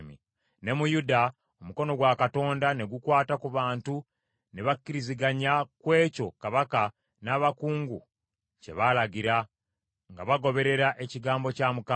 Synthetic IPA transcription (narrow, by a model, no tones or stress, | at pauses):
mḭ | ne̞mujuda | omuko̞no̞ɡwakato̞ːndane̞ɡukwaːtakuβaːntu | neβakːiɾiziɡaɲakwe̞ːco̞kaβaka | naβakuːŋɡṵ | ce̞̰βalaɡiɾa | ŋɡa̰βaɡo̞βe̞ɾe̞ɾaʔe̞ciɡaːmbo̞camuka